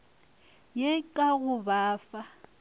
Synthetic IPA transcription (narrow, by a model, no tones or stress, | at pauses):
jekʼaɣʊbaːfa